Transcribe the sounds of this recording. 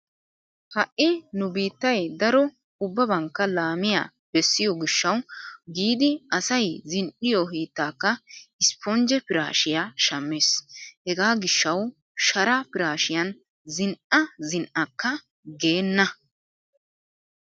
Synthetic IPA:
hɐʔɪnʊbiːt̪ːɐjd̪ɐɾɔ | ʊbːɐbɐŋkːɐlaːmɪja̰ː | b̥ɛsːɪjɔɡɪʃːɐwɡiːd̪ɪɐsɐjzɪnʔɪjɔɦiːt̪ːaːkːɐɪspɔnd͡ʒɛpɪɾa̰ːʃɪjaːʃɐmːeːshɛɡaːɡɪʃːɐw | ʃɐɾɐpɪɾaːʃɪjɐn | zɪnʔɐzɪnʔɐkːɐ | ɡe̞ːnːɐ

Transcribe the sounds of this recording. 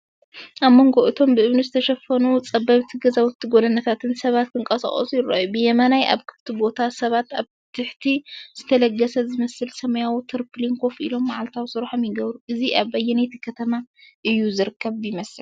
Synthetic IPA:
ʔaβmːo̞ŋɡo̞ʔɨt̪ʰo̞mbɨʔɨβnuzɨt̪ʰɐʃɐfːɐnut͡sʼɐbɐβt̪ʰiɡɐzawɨt̪ʰːiɡo̞d̪ɐnɐt̪ʰat̪ʰɨnsɐβat̪̚kʰɨŋkʼɐsa̰χʼo̰sujɪɾɐ̰jubɨjɛmanajʔa̰βkʰɨ̥ft̪ʰibo̞t̪ʰasɐβat̪aβ | t̪ʰɨħt̪ʰiz̥ɨt̪ʰɐlɐɡɐsɐzɨmɐsɨlsɐmɐjawut̪ʰɨɾpliŋkʰo̞fʔḭlo̞mːaʕalt̪ʰawsɨɾħomjɪɡɐβɾuʔɨziʔaβɐjːɛnet̪ʰikʰɐt̪ʰɐmaʔɨjːuzɨɾɨkʰːɐβbjɪmɐsɨl

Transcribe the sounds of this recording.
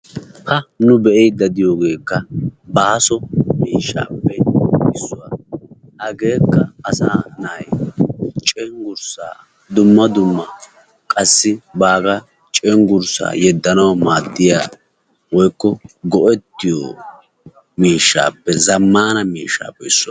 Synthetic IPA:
hɐnʊbɛʔɛjd̪ːɐd̪ɪjoːɡe̞ːkːɐbaːsɔmiːʃːa̰ːpːɛɪsːʊwaː | ʔɐɡe̞ːkːɐɐsaːnɐj | t͡ʃʼɛŋɡʊɾsa̰ː | d̪ʊmːɐd̪ʊmːɐ | kʼɐsːɪbaːɡɐ | t͡ʃʼɛŋɡʊɾsa̰ːjɛd̪ːɐnɐwmaːd̪ːɪjaː | wɔjkːɔɡɔʔɛt̪ːɪjo̰ | miːʃːa̰ːpːɛzɐmːaːnɐmiːʃːa̰ːpːɛɪsːʊa

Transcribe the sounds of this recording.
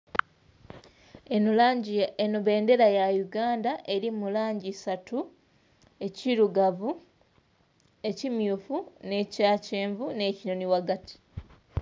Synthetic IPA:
enuβe̞ːnde̞ɾajajuɡaːndaʔe̞ɾimulaːɲɟisatʰu | e̞ciɾuɡavu | e̞cimjuːfune̞caːce̞ːɱvune̞cino̞niwaɡati̥

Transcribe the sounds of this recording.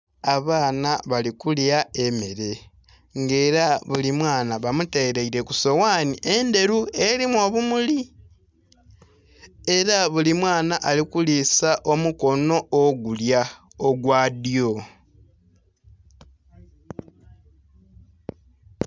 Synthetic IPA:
aβaːnaβalikuljae̞me̞ɾe̞ | ŋɡe̞ːɾaβulimwaːnaβamuteɾeiɾe̞ku̥so̞waːniʔe̞nde̞ɾue̞limwo̞ːβumuli | e̞ɾaβulimwaːnaʔalikulisaʔo̞muko̞no̞oɡulja | oɡwaːdjo̞

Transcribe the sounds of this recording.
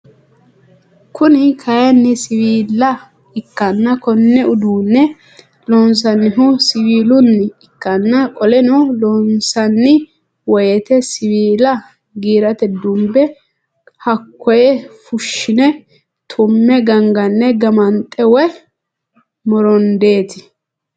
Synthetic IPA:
kʰʊnɪkʰɐjɐnːɛsɪwiːlːɐ | ɪkːɐnːɐkɔnːɛʊd̪uːnːɛ | lɔns̬ɐnːɪɦʊsɪwiːlʊnːɪɪkːɐnːɐkʼɔlɛnɔlɔnsɐnːɪ | wɔjɛt̪ɛsɪwiːlɐ | ɡiːɾɐt̪ɛd̪ʊmbɛ | hɐkːɔjɛfʊʃːɪnɛ | t̪ʰʊmːɛɡɐŋɡɐnːɛɡɐmɐnt̪ʼːɛwɔj | mɔɾɔnd̪e̞ːt̪ɪ

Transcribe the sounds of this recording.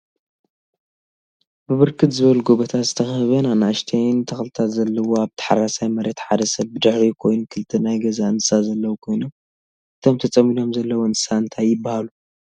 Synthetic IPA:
bɨβɨɾkʰɨt̪zɨβɐluɡoβɐt̪ʰat̪zɨt̪ʰɐxɐβɐnanaʃt̪ʰejnt̪ʰɐxlɨt̪ʰat̪zɐlːɐwoaβt̪ʰɨ̥ħaɾasajmɐɾɐt̪ħad̪ɐsɐβːɨd̪ɨħɾikʰo̞jnukʰɨlt̪ʰɨnajɡɐzaɨnsɨ̥sazɐlːɐwukʰo̞jnom | ɨt̪ʰomt̪ʰɐt͡sʼɐmilo̞mzɐlːɐwoɨnsɨ̥saɨnt̪ʰajːɪbːahalu

